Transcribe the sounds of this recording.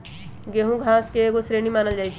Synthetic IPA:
ɡeːɦũɡʱãːskeeːɡosɾeːnimaːnəld͡ʒaːit͡ʃʰ

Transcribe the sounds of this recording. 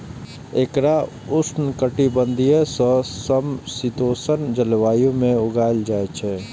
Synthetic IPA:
ekɾa | ʊsnkəʈibə̃nd̪ʱiesɔːsəmsɪt̪oːsənd͡ʒəlʋaːjõmẽʊɡaːld͡ʒaːet͡ʃʰɛː

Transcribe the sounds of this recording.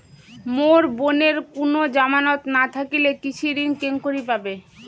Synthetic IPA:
moɾboneɾkonod͡ʑamanot̪nat̪ʰakilekit͡ɕʰiɾinkeŋkoɾipabe

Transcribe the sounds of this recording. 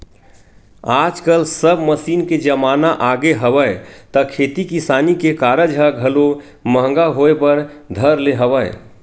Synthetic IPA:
ad͡ʒkəlsəbməsiːnked͡ʒəmanaʔaɡeɦəbəjt̪əkʰet̪ikisaːnikekaɾəd͡ʒɦəɡʱəlo | məɦŋɡaɦoepəɾd̪ʱəɾleɦəbəj

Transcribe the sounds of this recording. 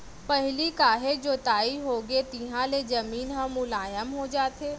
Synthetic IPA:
pɐɦɪlikaːɦed͡ʒoːt̪aːiɦoːɡet̪iɦãlezɐmiːnɦãmʊlaːjəmɦod͡ʒaːt̪eː

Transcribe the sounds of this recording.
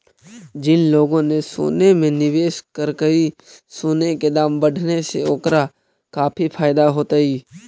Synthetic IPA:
d͡ʒɪnloːɡõneso̰ːnemẽnɪʋeːʃkəɾkəi | soːneked̪aːmbəɽʱnesḛoːkɾa | kaːpʰipʰaːɪd̪aɦoːt̪aiː

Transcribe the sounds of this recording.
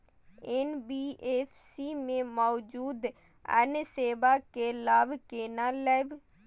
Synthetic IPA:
enbiːʔeːfʰsimẽmɔːd͡ʒuːd̪ | ə̰nseːbaːkelaːbkeːnaːlɛːb

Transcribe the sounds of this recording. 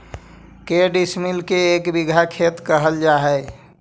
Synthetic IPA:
keɖismilkeːkbiɡʱakʰet̪kəɦəld͡ʒaɦəj

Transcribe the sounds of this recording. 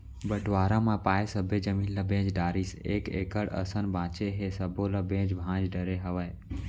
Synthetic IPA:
bəʈʋaːɾãmãpaːjsəbʱed͡ʒəmĩːnlabẽːd͡ʒɖaːɾiseːkeːkəɽə̰sənbãːt͡ʃeɦesəbolabẽːd͡ʒbʱãːd͡ʒɖəɾeɦəʋəj

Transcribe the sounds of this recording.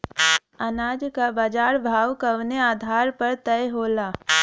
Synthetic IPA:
ənaːd͡ʒkabaːd͡ʒaːɾbʱaːwkɐʋneaːd̪ʱaːɾpəɾt̪ɛeɦoːlaː

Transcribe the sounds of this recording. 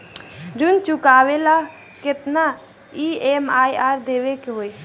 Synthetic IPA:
d͡ʒunt͡ʃukawela | ket̪na | iemajaɾd̪eʋekeɦoj

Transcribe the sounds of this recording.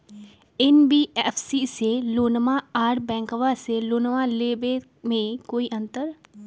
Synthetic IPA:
ɪnbiːɛːpʰsiseloːnmãaːɾʈbɛ̃ːŋkəʋaseloːnmaleːbe | mẽkoːiʔə̃nt̪əɾ

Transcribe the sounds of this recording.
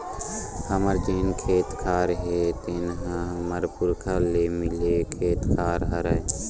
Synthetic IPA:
hɐməɾd͡ʒeːnkʰeːt̪kʰaːɾɦet̪enɦãɦməɾpʊɾkʰaːlemɪlekʰeːt̪kʰaːɾɦɐɾə

